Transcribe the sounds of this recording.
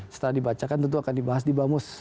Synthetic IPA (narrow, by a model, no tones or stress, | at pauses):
sə̥t̪əɾadibat͡ʃakant̪ənt̪̬uakandibaɦas̬dibamʊs